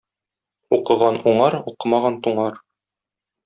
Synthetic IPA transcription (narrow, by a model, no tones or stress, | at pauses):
uqɤ̆ʁɑnuɴɑɾuqɤmɑʁɑnt̪uɴɑɾ